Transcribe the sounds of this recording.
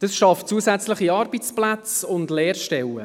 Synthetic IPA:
d̥ɑsʃɑftt͡suːəsæt͡slɪχiɑːɾbit͡splæt͡sʊndlɛːrʃtɛwə̰

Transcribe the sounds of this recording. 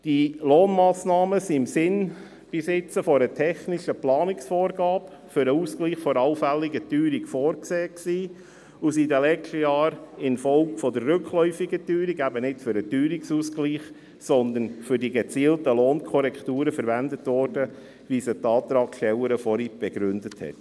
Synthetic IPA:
d̥iloːnmɑːsnɑːməsiɪmsɪn | b̥isɪt͡səfɔɾətʰɛχnɪʃəplɑːnɪksfɔːɾɡɑːb | fʏɾəuːskliːχfɔɾɑʊfælːɪɡətyːɾikfɔːɾkseːksiː | ʊsidəlɛt͡ʃtəjɑːɾɪnfɔlkfɔd̪ərːøkχlɔʏfɪɡətyːɾiɡæbənɪtfʏɾətyːɾɪksuːskliːχ | sɔnd̪ənfʏɾdiɡɛt͡siːltəloːnkʰɔɾɛktuːɾəfəɾʋændətʋɔːrd̥ə | ʋisətɑːt̪ɾɑːkʃtɛləɾəfɔɾib̥ɛɡ̥ɾʉndəthɛ̰t

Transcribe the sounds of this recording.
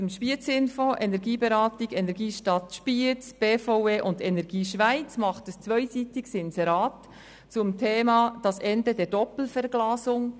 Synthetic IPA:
ʊmʃpiət͡sɪnfoːʔɛnɛɾɡiːbɛɾɑːtɪɡɛnɛɾɡiːʃtɑtʃpiət͡sb̥eːfɔʊeːʔʊndɛnɛɾɡiːʃʋaɪt͡smɑχtəst͡svœʏsiːtɪɡsɪnsɛɾɑːt | t͡sʊmtʰeːmɑd̥ɑsɛndədɛːɾd̥ɔpl̩fɛɾɡ̥lɑːsʊŋ

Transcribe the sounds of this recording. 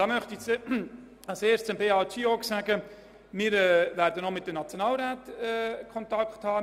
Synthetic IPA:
dɑːmœχtit͡s | ɑseːst͡səmbeːɑːt͡ʃiːɔksæɡə | mɪːɾɛːvæɾdənomɪt̚d̥əmnɑt͡sjonɑːlɾaːtɛkʰɔntɑkχthɑː

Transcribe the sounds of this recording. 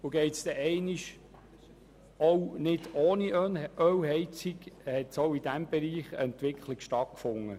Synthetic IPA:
ʊɡ̥ɛɪtsd̥̪ɛʔɛɪniʃ | ownɪd̥oːniʔœwɦɛɪt͡sikhɛtsowid̥̪æmb̥ɛɾiːχə̰ɛnt̪ʋɪkχliɡʃtɑt̚kfʊŋːə

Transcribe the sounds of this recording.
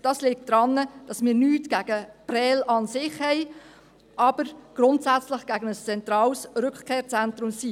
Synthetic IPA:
d̥ɑslɪk̚td̥ɾɑnːəd̥ɑsmɪːɾnyːtɡ̥æɡ̥əprɛːlɑnsɪχhɛɪ | ʔɑb̥əɾɡ̥ɾʊntsæt͡slɪχɡ̥æɡənəst͡sɛnt̪ɾɑːlsɾʏkχkʰeːɾt͡sɛnt̪ɾʊmsi

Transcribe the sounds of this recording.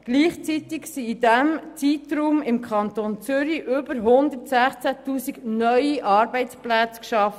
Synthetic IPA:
ɡ̥liːχt͡sit̪ɪksiːdɛmt͡siːt̪ɾuːmɪmkʰɑnt̪oːnt͡sʏɾiʔʏbəɾɦʊnd̪əɾtsæχt͡sæt̪uːsiɡnœʏiʔɑːɾbɛɪt͡splæt͡skʃɑf

